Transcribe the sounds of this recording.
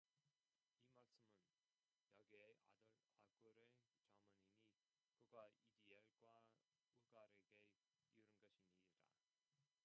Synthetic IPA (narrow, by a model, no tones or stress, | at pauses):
imak̚s͈ɯmɯn | jʌɡiea̰dʌɭ | aɡuɾɯɭ | t͡ɕʌmʌnini | kɯɡwaidieɭɡwa | uɡaɾeɡe̞ | juɾɯnɡʌɕʰiɲniida̰